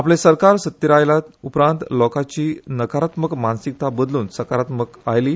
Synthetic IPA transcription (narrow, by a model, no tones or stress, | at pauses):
aplẽsəɾkaɾsət̪ːiɾajlat̪upɾãnt̪lɔkat͡ɕiːnəkaɾat̪məkmansik̚t̪abəd̪luːnsəkaɾat̪məkajliː